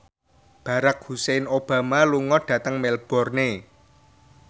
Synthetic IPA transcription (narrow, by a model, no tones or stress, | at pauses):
b̥ä̤ɾak̚husenob̥ä̤maluŋɔɖ̥a̤t̪əŋmɛlb̥ɔ̤rne